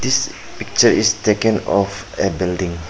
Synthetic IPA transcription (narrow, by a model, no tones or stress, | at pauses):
d̪is | pik̚t͡ʃəɹistekə̃nɔf | ɛbildĩŋ